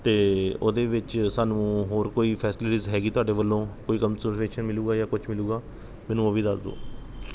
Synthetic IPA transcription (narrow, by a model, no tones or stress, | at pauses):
t̪eːo̰ːd̪eːʋɪt͡ʃsaːnũːɦoːɾkoːiːpʰɛːsɪlɪʈiːzɦɛːɡiːt̪ʊaːɖeːʋəlːõːkoːiːkəmsəɾpʰeːʃənmɪluːɡaːjaːkʊt͡ʃʰmɪluːɡaː | mɛ̃ːnũːoʋiːd̪əsd̪o̰ː